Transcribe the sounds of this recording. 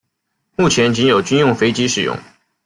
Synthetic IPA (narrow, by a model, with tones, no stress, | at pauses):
mu˥˩t͡ɕʰjɛ˧˥nt͡ɕi˥ŋjo˨˩ʊt͡ɕy˥njʊ˥˩ŋfe˥ɪt͡ɕi˥ʂɻ̩˨˩jʊ̰˥˩ŋ